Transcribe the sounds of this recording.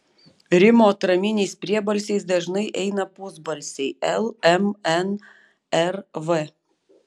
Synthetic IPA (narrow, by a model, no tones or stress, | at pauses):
ɾʲɪmoːt̪ɾɐmʲɪnʲɛɪspʲɾʲiɛbɐlʲsʲɛɪsd̪ɐʒnɐɪʔɛɪnɐpʊzbɐlʲsʲɛɪɛlˠɛmɛn | ɛɾʋe